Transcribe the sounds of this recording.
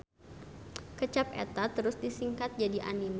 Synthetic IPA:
kət͡ʃap̚ɛ̰t̪at̪əɾʊsdisiŋkat̪̚d͡ʒadiʔa̰nim

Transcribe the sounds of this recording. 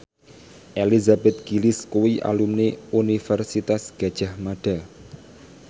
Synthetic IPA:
ʔelizabɛt̪̚ɡ̥iliskuwiʔa̰lumneunifɛrsit̪asɡ̥a̤d̥ʒ̥a̤hmaɖ̥a̤

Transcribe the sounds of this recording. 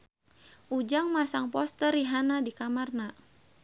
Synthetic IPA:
ʔud͡ʒaŋmasaŋpɔst̪əɾiɦanadikamarna

